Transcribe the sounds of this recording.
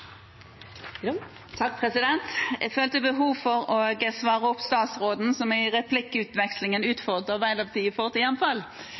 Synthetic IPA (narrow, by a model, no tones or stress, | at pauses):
t̪ʰɑk̚pʰʁɛsɪd̪ɛnt̪jæ̰føːlt̪əbəɦuːʋfɔʁɔɡɛsʋɑːʁəɔpst̪ɑːt̪sʁoːd̪n̩sɔmɪʁɛpʰlɪkːəʉːt̪ʋɛkslɪŋənʉːt̪fɔʁd̪ʁəʁʋæɪlɑʋt̪ʰiːəfɔʁt̪ɪjɛnfɑl